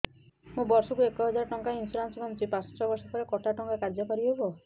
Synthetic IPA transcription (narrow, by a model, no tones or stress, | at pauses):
mũbɔɾsɔkuekɔɦɔd͡ʒaɾɔʈɔŋkainsuɾansɔmamt͡ʃipãt͡ʃɔ̥t̪ːɾɔbɔɾsɔpɔɾekɔʈaʈɔŋkakaɾd͡ʒɔkɔɾiɦebɔ